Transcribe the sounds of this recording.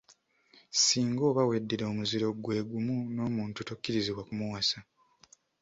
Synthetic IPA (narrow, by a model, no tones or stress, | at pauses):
siːŋɡo̞ːβawedːiɾo̞ːmuziɾo̞ɡwe̞ːɡumuno̞ːmuːntutokːiɾiziβwakumuwasa